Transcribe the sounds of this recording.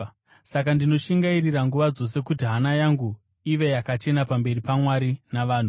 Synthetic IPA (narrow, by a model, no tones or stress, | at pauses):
sakandino̞ʃiŋɡairiraŋɡuʋad͡zo̞s̬e̞kutiɦanajaŋɡu | iʋe̞jakat͡ʃe̞napambe̞ɾipamwaɾinaʋaːn̤u